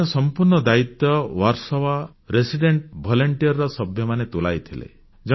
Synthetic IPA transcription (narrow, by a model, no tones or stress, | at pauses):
ɔsɔmpuɾɳɔd̪ait̪ɔwaɾsɔwa | ɾesiɖeɳʈbʱɔlɔɳʈiɔɾɾɔsɔbʱjɔmanet̪ula̰jt̪ʰilḛ | d͡ʒɔ